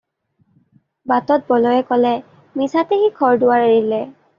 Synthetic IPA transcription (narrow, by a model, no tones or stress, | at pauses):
batɔt̚bɔlɔjɛkɔlɛ | misatehikʰɔɹdʊwaɹeɹilɛ